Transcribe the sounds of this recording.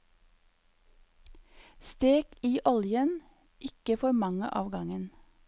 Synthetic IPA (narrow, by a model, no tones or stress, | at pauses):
st̪eːɡ̥iːʔɔljən | ʔɪkəfɔɾmɑŋə̰ʔɑ̰ːʋɡɑŋən